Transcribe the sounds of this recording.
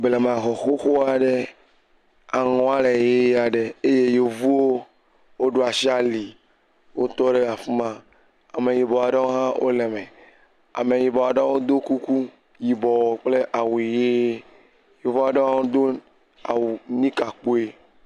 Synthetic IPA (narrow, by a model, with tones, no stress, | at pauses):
ble˨mã˨xɔ˨xo˦xo˦a˨ɖe˦ | a˨ŋɔ̃˨a˦le˨je˦a˨ɖe˨e˦je˦je˨vu˦wo˦ | wo˦ɖo˦a˨si˦a˦li˨ | wo˦t̪ɔ˦ɖe˦a˨fu˦mã˦ | a˨me˨ji˨bɔ˨a˨ɖa˦wo˦ɦã˦wʔo̰˦le˨me˨ | a̰˨me˨ji˨bɔ˨a˨ɖa˦wo˦d̪o˦ku˦ku˦ | ji˨bɔ˨wɔ˨k͡ple˦ʔa˨wu˨i˨je˦ | je˨vu˦a˨ɖa˦ã˦o˦d̪o˦ | a˨wu˨nĩ˦ka˨k͡po˦e˦